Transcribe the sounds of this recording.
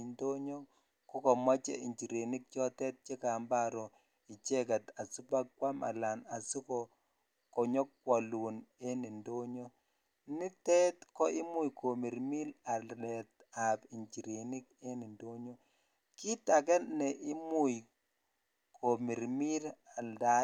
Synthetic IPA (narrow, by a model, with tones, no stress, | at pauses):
ndo˦ɲo˦ | kɔ˦kɔ˨ma˦t͡ʃɛ̰˦i˨ɲt͡ʃi˨ɾe˨ni˦k̚t͡ʃɔ˦tɛ˦t̚t͡ʃe˦ka˨mba˦ɾɔ˨ | i˨t͡ʃɛ˦ka˨ta˨su˦pa˦kwa˦ma̰˨la˨na˨su˦kɔ˨ | kɔ˨ɲɔ˦kːwɔ˨lu˨ne˦ni˨ndo˦ɲo˦ | nɪ˦tɛ˦tkɔ˦ɪ˦mu˦˨jkʰo˨mi˨ɾmi˦la˨lɛ˨ta˨pi˨ɲt͡ʃi˨ɾe˨ni˦k̚e˦ni˨ndo˦ɲo˦ | ki˦ta˨k̬ɛ˦nɛ˨ʔɪ˦mu˦j | kʰo˨mi˨ɾmi˦la˨nda˦